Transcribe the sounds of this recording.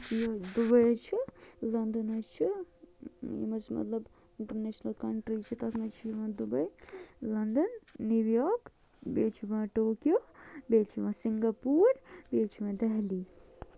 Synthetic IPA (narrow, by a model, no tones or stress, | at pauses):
jɐd̪ubɐjt͡ʃʰilɐnd̪ənɐt͡ʃʰi | jḭmɐt͡ʃʰmɐ̰t̪lɐb | ɪɳʈɐɾneːʃnɐlkɐɳʈɾit͡ʃʰit̪ɐsmɐt͡ʃʰijiʋɐ̃ːd̪ubɐjlɐnd̪ɐnːuʋjɔːk | beːt͡ʃʰiʋãːʈoːkjoːbeːt͡ʃʰiʋɐ̃ːsiŋɡɐpuːɾbeːt͡ʃʰiʋɐ̃d̪ɛɦli